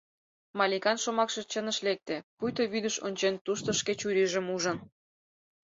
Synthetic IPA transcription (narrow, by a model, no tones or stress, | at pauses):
mɑlʲikɑnʃomɑkʃĕt͡ɕənəʃlek̚t̪epujt̪oβyd̪əʃonʲt͡ɕent̪uʃt̪ŏʃket͡ɕuɾiʒə̆muʒə̆n